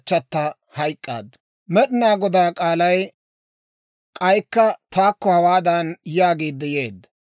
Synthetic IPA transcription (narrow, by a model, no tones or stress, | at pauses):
t͡ʃːɐt̪ːɐ | hɐjkʼːa̰ːd̪ːɐ | mɛɗɪnaːɡɔd̪aːkʼaːlɐj | kʼɐjkːɐt̪aːkːɔhɐwaːd̪anjaːɡeːd̪ːɛjeːd̪ːɐ